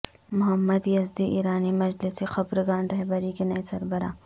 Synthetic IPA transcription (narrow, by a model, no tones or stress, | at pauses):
mʊɦɐmːɐd̪jɐzd̪iʔḭːɾaːnimɐd͡ʒlɪsixɐbɾɡaːnɾɐɦbɐɾikenɐisɐɾbɐɾa̰ː